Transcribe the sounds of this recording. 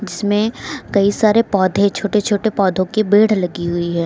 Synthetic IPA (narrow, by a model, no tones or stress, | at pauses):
d͡ʒɪsmẽkɐisaːɾepɔːd̪ʱẽt͡ʃʰoːʈet͡ʃʰoːʈepɔːd̪ʱõkebeːɽ̤lɐɡiɦʊiɦɛː